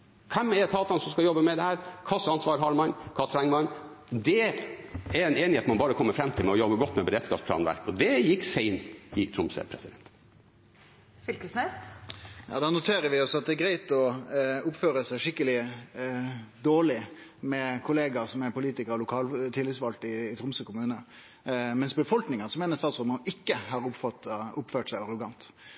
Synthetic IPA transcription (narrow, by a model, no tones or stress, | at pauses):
kʰɛmɛɾt̪ʰɑːt̪ɑnsɔmskɑljɔbːəmɛd̪ɛhæːɾkʰɑsɑnsʋɑːɾɦɑɾmɑnkʰɑt̪ʰɾɛŋmɑn | d̪ɛ | ɛɾɛneːnɪheːt̪mɑnbɑːɾəkʰɔmːəɾfɾɛmt̪ʰɪlmɛɔjɔbəɡɔt̪ːmɛbəɾeːd̪skɑːpspʰlɑ̰ːnʋæ̰ɾkɔd̪ɛjɪkːsæɪnt̪ɪt̪ʰɾʊmsɛ̰pʰɾɛsɪd̪ɛnt̪ | fʏlkəsnɛsjɑ̰ːd̪ɑnʊt̪ʰeːɾəʋɪɔsɔɑt̪̚d̪ɛæɡɾæɪt̪ɔʊpføːɾəsæɪʂɪkːəlɪ | d̪oːɭɪmɛkʰʊleːɡɑsɔmæpʊliːt̪ɪkəɾɔlʊkʰɑːlt̪ʰɪlːɪt̪sʋɑlt̪ɪːt̪ʰɾʊmsəkʰʊmʉːnə | mɛnsbəfɔlknɪŋəʁsɔmeːnəɾst̪ɑːt̪sʁɔmənɪkːəɦɑɾʊpfɑt̪ʊpføːʈsæɪɑɾʊɡɑnt̪